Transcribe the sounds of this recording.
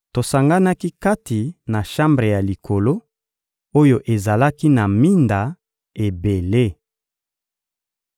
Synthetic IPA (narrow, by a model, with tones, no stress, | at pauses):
to˨sa˨ŋɡa˦na˦ki˦ka˦ti˨na˨ʃã˦mbʁe˨ja˨li˨kʰo˨lo˦ | o˦jo˦ʔe˨za˨la˦ki˦na˨mi˦nda˨ | e˨be˨le˦